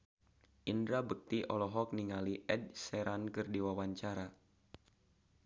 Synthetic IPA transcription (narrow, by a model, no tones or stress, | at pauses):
ʔindɾabək̚t̪iʔɔlɔɦɔk̚niŋaliʔɛd̚sɛɾankɨrdiwawaɲt͡ʃaɾa